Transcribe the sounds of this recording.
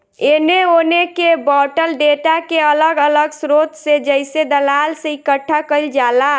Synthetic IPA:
eneonekebɔʈəlɖeʈakeələɡələɡsɾot̪sed͡ʒəɪsed̪əlalseikəʈʰːakəld͡ʒala

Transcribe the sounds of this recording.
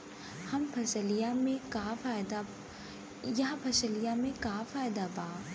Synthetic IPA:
hɐmpʰɐsəlijamẽkaːfaːɪd̪a | jaɦpʰɐsəlijamẽkaːfaːjd̪abaː

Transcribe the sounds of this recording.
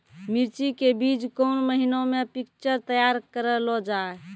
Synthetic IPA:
miɾt͡ʃikebid͡ʒkonməɦinõmepik̚t͡ʃəɾt̪əjaɾkəɾəlɔd͡ʒae

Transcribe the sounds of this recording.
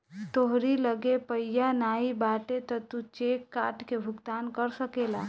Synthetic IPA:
t̪oɦɾiləɡepəjjanaibaʈet̪ət̪ut͡ʃekːaːʈkebʱʊɡd̪aːnkəɾsəkela

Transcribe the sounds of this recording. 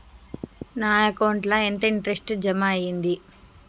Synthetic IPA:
naːjɐkɐwɳʈlɐent̪ɐiɳʈɐɾesʈd͡ʒɐmaːjind̪i

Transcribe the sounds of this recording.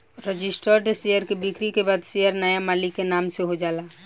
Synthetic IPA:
ɾəd͡ʒɪsʈəɾɖesejəɾkebɪkɾikebaːd̪sejəɾnəjamaːlikːenaːmseɦod͡ʒaːlaː

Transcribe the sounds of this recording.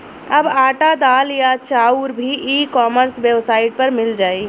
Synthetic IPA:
əbaʈad̪aːljat͡ʃauɾbʱiʔikɔːməɾsbjəbsaːɪʈ̚pəɾmɪld͡ʒaːi

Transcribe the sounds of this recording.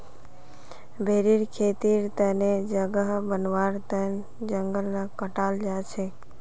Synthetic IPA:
bʱeɾiɾkʰet̪iɾt̪əned͡ʒəɡəɦbənʋaɾt̪ən | d͡ʒəŋɡəlnakəʈald͡ʒat͡ʃʰe

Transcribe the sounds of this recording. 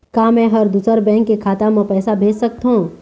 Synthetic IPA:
kaːmɛ̃ːɦəɾd̪uːsəɾbɛ̃ːŋkːekʰaːt̪amə̃pɛːsabʱeːd͡ʒsək̚t̪ɦũː

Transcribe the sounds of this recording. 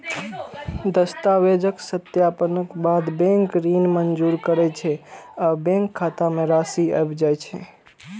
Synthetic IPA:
d̪əst̪aʋed͡ʒəksət̪japənəkbad̪bẽŋkɾinmənd͡ʒuɾkəɾɛt͡ʃʰɛabẽŋkʰːat̪ameɾasiə̰bd͡ʒajt͡ʃʰɛ

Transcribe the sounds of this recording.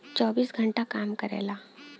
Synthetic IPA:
t͡ɕɔbiːsɡʱəɳʈakamkəɾɛ̰la

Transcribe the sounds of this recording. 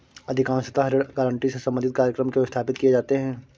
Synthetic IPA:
ɐd̪ʱɪkãːnsət̪aɦɐɾəɽɡaːɾə̃ɳʈisesɐ̃mbənd̪ʱɪt̪̚kaːɾjəkɾəmkeost̪ʰaːpɪt̪kied͡ʒaːt̪eɦɛ̃ː

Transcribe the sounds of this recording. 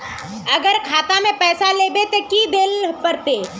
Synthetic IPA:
ɐɡəɾkʰaːt̪amẽpɛːsaleːbet̪ekid̪eːlpəɾt̪eː

